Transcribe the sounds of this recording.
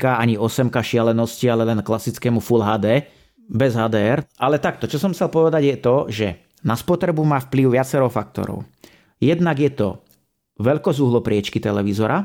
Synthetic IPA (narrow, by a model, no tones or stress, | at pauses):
kaaɲiɔsɛmkaʃɪalɛnɔscialɛlɛnklasit͡skɛːmufulɦaːd̪ɛː | bɛzɦaːd̪ɛːɛɾʔalɛt̪ak̚t̪ɔt͡ʃɔsɔmxt͡sɛlpɔʋɛd̪aɟjɛt̪ɔʒɛ | naspɔt̪ɾɛbumaːfpliʊʋɪat͡sɛɾɔʊfak̚t̪ɔ̰ɾɔ̰ʊ | jɛd̪naɡjɛt̪ɔ̰ | ʋɛʎkɔzuɦlɔpɾɪɛt͡ʃkit̪ɛlɛʋizɔɾa